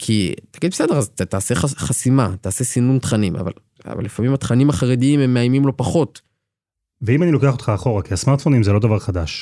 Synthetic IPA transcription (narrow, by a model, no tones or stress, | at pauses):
kʰḭt̪aɡid̪bese̞de̞azt̪aːseχaχasimat̪aːse̞sinunt̪χanimʔa̰va̰l | a̰va̰lːifamimat̪χanimaχaʁed̪iime̞mːeajmimlo̞paχo̞t̪ | veimanilo̞keaχotχaːχo̞ʁakiasmaʁt̪fonimzelo̞d̪avaʁχad̪aʃ